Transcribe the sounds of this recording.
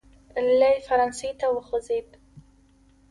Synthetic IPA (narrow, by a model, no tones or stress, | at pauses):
lːajfaɾansijtʰawʊχəzejpʼ